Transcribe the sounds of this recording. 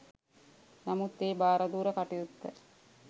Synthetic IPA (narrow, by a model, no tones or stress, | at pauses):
namut̪ːeːbaːɾad̪uːɾəkaʈijut̪ːə